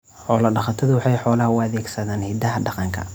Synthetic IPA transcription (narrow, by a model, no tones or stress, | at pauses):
ħɔːlɐɖɑχɐt̪ʰɐðʊwɑħɑjħɔːlɐhɐwðɛːɡsɐðaːnhɛd̪ɐɦɐɖɑqɑŋkʰɐ̰